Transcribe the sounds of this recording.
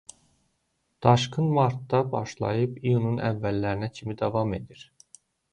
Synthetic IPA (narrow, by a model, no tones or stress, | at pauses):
d̪̥ɑʃkɯnmɑɾt̪ːɑbɑʃlˠɑ̰jɯpijununʔævːælːæɾinæcʰimid̪ɑvɑme̞d̪iɾ